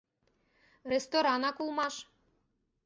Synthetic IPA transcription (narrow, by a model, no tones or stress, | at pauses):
rest̪oɾɑnɑkulˠmɑʃ